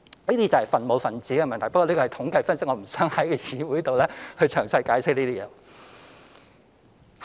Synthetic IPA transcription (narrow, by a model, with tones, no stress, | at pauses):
liː˥t̪iː˥t͡sɐ˨hfɐ˨nmo˨˧wfɐ˨˩nt͡siː˨˥ɐ˧mɛː˨ŋt̪ɐ˨˩pɐ˥ɔː˧li˥kɔː˧˨˩jt̪ʰʊ˨˥ŋkɐ˧jfɐ˥nsɪ˥k̚ŋɔː˨˧m̩˨˩sœː˨˥ŋhɐ˨˥jkɔ˧jiː˨˧wuː˨˥jt̪o˨wlɛ˥hɵ˨˧ɥt͡ʃʰœː˨˩ŋsɐ˧jkaː˨˥jsɪ˥k̚liː˥t̪iː˥jɛː˨˧